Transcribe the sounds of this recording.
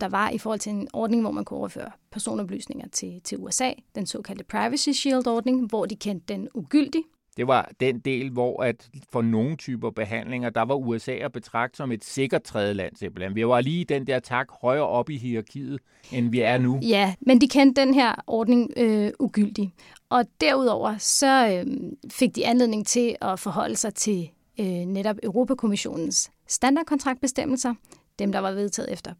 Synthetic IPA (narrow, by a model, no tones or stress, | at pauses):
d̥ɑ̈ʋɑ̈ʔifɔːhɒ̽l̰t͡sʰe̝enʔɒːd̥ne̝ŋʋɒ̰mænkʰuɒʊɐfø̰ːɐpʰæɐso̝̰ːnɒ̽b̥ly̰ːsne̝ŋɐt͡sʰe̝t͡sʰe̝luesɛ̰ːd̥ensɔ̰̽ːkʰæld̥əpʰʁɑ̈ɪʋəsiɕild̥ɒːd̥ne̝ŋʋɒd̥ikʰend̥ːenuɡ̥yl̰d̥i | d̥e̝ʋɑ̈d̥end̥e̝̰ːlʋɒæd̥fɒ̽no̝n̩t͡sʰyːb̥ɐb̥e̝ɦæn̰le̝ŋɐd̥ɑ̈ʋɑ̈uesɛ̰ːb̥e̝t͡sʰʁɑ̈ɡ̥̚d̥sɒ̽me̝d̥se̝ɡ̥ɐd̥̚t͡sʰʁɛːðˠəlæn̰seb̥ɐlænʋiʋɑ̈liːid̥end̥eɐ̰t͡sʰɑ̈ɡ̥hɒ̽ɪɐːʔɒ̽b̥iɦiɑ̈kʰḭːð̩ˠ | enʋiæɐnujæmend̥ikʰend̥̚ːenɦeɐ̰ʔɒːd̥ne̝ŋøuɡ̥yl̰d̥i | ʔɒ̽d̥æɐ̰uðˠɒʊ̰ɐsɒ̽ | fe̝ɡ̥̚d̥iænle̝ðˠne̝ŋ̩t͡sʰe̝ɒ̽fɒ̽ɦɒ̽l̰əsɑ̈ɪt͡sʰe̝ | øneɾɒ̽b̥øʊʁo̝ːpʰækʰo̝miɕo̝̰ːnn̩sː | d̥ænd̥ɑ̈ːd̥̚kʰɒnt͡sʰʁɑ̈ɡ̚d̚b̥esd̥em̰l̩sɐ | d̥emd̥ɑ̈ʋɑ̈ʋe̝ð̞ˠt͡sʰɛ̰ːð̩ˠefd̥ɐ